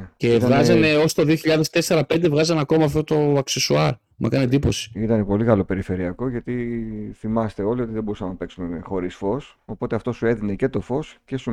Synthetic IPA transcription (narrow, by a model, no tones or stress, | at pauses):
ce̞vɣɐzzɐneo̞st̪oðio̞çiʎɐðe̞st̪e̞seɾɐpe̞nd̪e̞vɣɐzɐnɐko̞mɐːft̪ot̪o̞ɐksesuɐɾ | mʔɐ̰kɐnied̪ipo̞si̥it̪ɐnepo̞liɣɐlo̞pe̞ɾife̞ɾiɐko̞ʝɐt̪iθimɐst̪e̞o̞lio̞t̪iðebo̞ɾusɐmnɐpe̞ksumexo̞ɾisfo̞s | o̞po̞t̪e̞ɐft̪o̞sue̞ðine̞ce̞t̪o̞fo̞sce̞su